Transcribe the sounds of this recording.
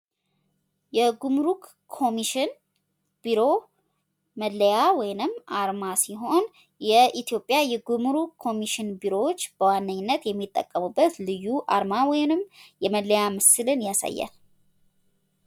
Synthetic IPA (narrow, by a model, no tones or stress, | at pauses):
jɛɡumɾuk | kʰːo̞miʃɪn | b̥iɾo̞ | məd̪ləjawɔjnɨmʔaɾmasiɦo̞n | jɛʔit̪jo̞pʼjajɛɡumɾukkʰːo̞miʃɪnbiɾo̞wot͡ʃːb̥əwanːəɲːɪnːət̪jɛmːit̪ʼːə̰kʼːəmubːət̪lɨjːuʔa̰ɾmawɔjɪnɨmjɛməd̪ləjamɨsɨlɨnjasa̰jːa̰n